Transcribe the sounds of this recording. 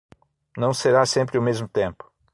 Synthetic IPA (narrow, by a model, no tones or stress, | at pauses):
nɐ̃w̃seɾasẽmpɾɪʊmezmʊt̪ẽmpʊ̥